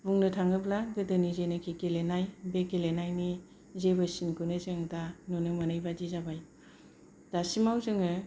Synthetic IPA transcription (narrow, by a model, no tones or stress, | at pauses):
buŋnɯtʰaŋɯblaɡɯdɯnizenɯkʰikelenajbekelenajni | zebɯsinkʰunɯzɯŋdanunɯmanɯjbadizabaj | dasimawzɯŋɯ